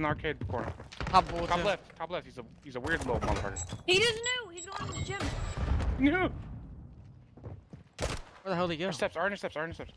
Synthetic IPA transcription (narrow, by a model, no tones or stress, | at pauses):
n̩aɹkʰeɪd̚kʰɔɹnə̰˞ɑbbˠʰɑlɛftkʰɑblɛft̚hizə | hizəwɪɹdˡloʊmɑ̰lˠəvɑ̰ɾə̰˞hid͡ʒʌsnʉizbãnɨd͡ʒɪ̃m | nʉ | əðəɦoʊlˠiɡo˞stɛpsɑ̃˞nə˞stɛpsəɹ̃nə˞stɛps